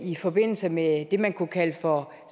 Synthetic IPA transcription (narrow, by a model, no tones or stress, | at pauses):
ifɒ̽b̥e̝n̰l̩səmed̥e̝mænkʰukʰæləfɒ̽ | s